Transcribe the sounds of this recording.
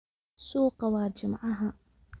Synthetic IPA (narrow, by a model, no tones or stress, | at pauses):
suːqawaːd͡ʒɪmaʕaɦa